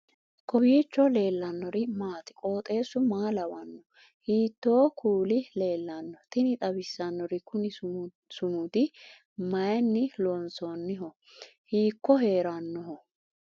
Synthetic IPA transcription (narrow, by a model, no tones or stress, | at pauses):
kɔbiːt͡ʃːɔle̞ːlːɐnːɔɾɪmaːt̪ɪ̥kʼoːt̪ʼe̞ːsːʊmaːlɐwɐnːɔ | hiːt̪ːoːkʰuːlɪle̞ːlːɐnːɔt̪ɪnɪt̪ʼɐbɪsːɐnːɔɾɪkʊnɪ | sʊmʊd̪ɪ | mɐjnːɪlɔnsɔnːɪɦɔ | hiːkːɔhe̞ːɾɐnːɔɦɔ